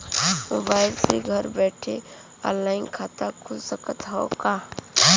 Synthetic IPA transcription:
mʊbaːɪlseɡʱɐɾbɛːʈʰe | a̰laːɪnkʰaːt̪akʰʊlsəkət̪ɦokaː

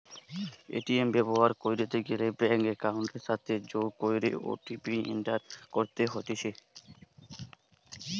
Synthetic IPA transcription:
ḛʈiembɛboɦaɾkojɾet̪eɡelebɛŋkekawɳʈeʃat̪ʰed͡ʑoɡkojɾḛʔo̰ʈipiḭɳʈaɾkoɾt̪eɦot̪iʃe

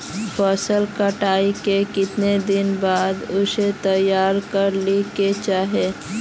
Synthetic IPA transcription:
pəsəlkəʈaːikekɪt̪ned̪ɪnbaːd̪ʊset̪əjaːɾkəɾliket͡ʃaːɦe

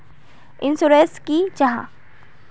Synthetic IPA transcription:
ɪnsuɾeskid͡ʒɐɦã̰

